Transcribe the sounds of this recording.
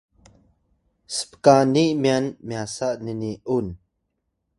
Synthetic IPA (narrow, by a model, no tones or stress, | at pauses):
sə̥pkaniʔmianmjasaʔnəniʔun